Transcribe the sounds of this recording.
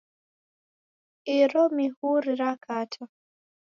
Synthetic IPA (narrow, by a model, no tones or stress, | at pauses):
iɾɔmihuɾiɾakʰatʰa